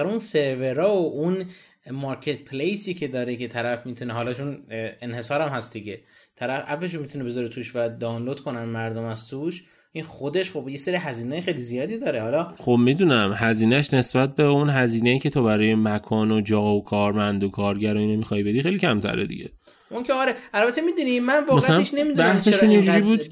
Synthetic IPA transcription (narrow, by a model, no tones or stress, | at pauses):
ɾunse̞ɾve̞ɾɒːoʔun | mɒːɾcʰe̞t̪pʰlejsiːcʰe̞d̪ɒːɾecʰe̞t̪ʰæɾæfmiːt̪ʰuneɦɒːlɒt͡ʃʰunenhe̞sɒːɾæmhæsd̪iɟe̞t̪ʰæɾæfʔæbveʃ̬omit̪ʰunebe̞zɒɾet̪ʰuʃvæd̪ɒːnlod̪̥kʰo̞nænmæɾd̪omæzt̪ʰuʃ | ʔinχo̞d̪e̞ʃχo̞bjeseɾiɦæziːnejexejlizijɒːd̪iːd̪ɒːɾe̞hɒːlɒːχobmid̪unæmɦæziːnæʃne̞sbæt̪̚beunɦæziːneiːcʰe̞t̪ʰobæɾɒːjemækʰɒːnod͡ʒɒːokʰɒːɾmænd̪okʰɒːɾɟæɾɒinomixɒjbe̞d̪ixejliːcʰæmt̪ʰæ̰ɾed̪ḭɡɟe̞̰ | uncʰeɒɾeælbæt̪ʰemid̪unimænvɒmæsælæeʃne̞mid̪æht̪ʰeʃunind͡ʒuɾiːbuːd̪